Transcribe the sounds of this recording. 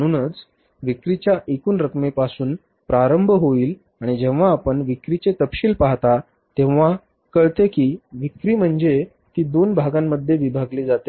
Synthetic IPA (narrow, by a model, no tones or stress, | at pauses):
əɽ̃uːnət͡s | ʋikɾit͡ɕjaʔekuːnɾəkmepasuːn | pɾaɾəmbʱɦoiːl | aɽ̃id͡ʑẽʋʋaːpəɳʋikɾit͡ɕet̪əpɕiːlpaɦt̪a | t̪ẽʋʋa | kəɭt̪ekiːʋikɾiːm̤əɳd͡ze | t̪iːd̪onbʱaɡamːəd̪ʱːjeʋibʱaɡliːd͡zat̪e